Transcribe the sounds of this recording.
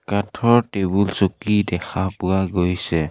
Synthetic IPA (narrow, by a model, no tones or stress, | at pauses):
katʰɔɹtebulsokidɛxʰapʊwaɡojsɛ